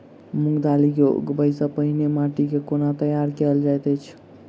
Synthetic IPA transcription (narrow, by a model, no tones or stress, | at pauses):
muɡd̪alikoɡbəjsəpəɦinemaʈikekonat̪əjaɾkeld͡ʒajt̪ət͡ʃʰ